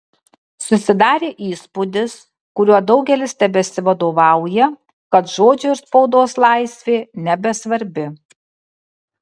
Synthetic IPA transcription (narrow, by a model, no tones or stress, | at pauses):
sʊsʲɪd̪ɑːɾʲeːʔiːspʊd̪ʲɪs | kʊɾʲuɔd̪ɒʊɡʲɛlʲɪst̪ʲɛbʲɛsʲɪʋɐd̪oːʋɑˑʊjɛ | kɐt̪ʒoːd͡ʒʲʊɪɾspɐʊd̪oːslˠɑɪsʲʋʲeːnʲɛbʲɛsʋɐɾʲbʲɪ